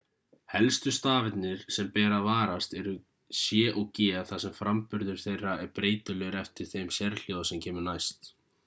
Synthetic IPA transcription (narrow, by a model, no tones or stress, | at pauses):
hɛlst̪ʏst̪aːvɪt̪nɪɾ̥sɛmpɛːɾavaːɾast̪ɛɾʏ | sjɛːʔɔɣcɛːθasɛmfɾampʏɾðʏɾ̥θejrːaʔɛɾpɾeːjt̪ʏlœɾɛft̪ɪɾ̥θejmsɛɾl̥joːðasɛmcʰɛːmʏnajst̪